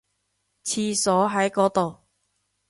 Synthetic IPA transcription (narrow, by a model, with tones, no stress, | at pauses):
t͡sʰiː˧sɔː˨˥ɦɐ˨˥jkɔː˨˥t̪o˨w